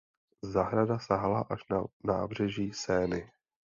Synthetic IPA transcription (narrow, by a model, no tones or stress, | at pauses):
zaɦɾadasaɦlaʔaʃnana̰ːbr̝ɛʒiːsɛːnɪ